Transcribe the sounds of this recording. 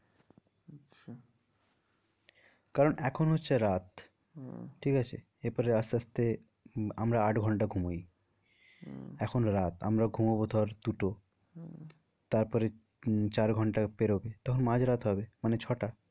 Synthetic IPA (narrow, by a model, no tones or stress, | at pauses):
kaɾonɛkʰonɦotːɕʰeɾat̪ | ʈʰikat͡ɕʰḛ | epɔɾeast̪east̪e | amɾaaʈɡʱɔɳʈaɡʱumoj | ɛkʰonɾat̪a̰mɾaɡʱumobod̪ʱɔɾd̪uʈo | t̪aɾpɔɾe | t͡ɕaɾɡʱɔɳʈapeɾobet̪ɔkʰonmãd͡ʑɾat̪ɦɔbemanet͡ɕʰɔʈa